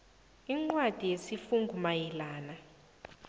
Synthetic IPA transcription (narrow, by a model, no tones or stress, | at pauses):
iŋ͡ǃwad̥ʱijesifuŋɡʱumajilaːna